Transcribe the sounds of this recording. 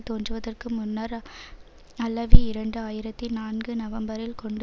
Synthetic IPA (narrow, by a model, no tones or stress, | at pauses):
t̪oːndrɯʋɐðɐrkɯmʊnːɐɾ | ɐlːɐʋiɪɾɐɳɖɯaːjɪɾɐt̪ːinaːnɡɯnɐʋɐmbɐɾɪlkɔɳɖ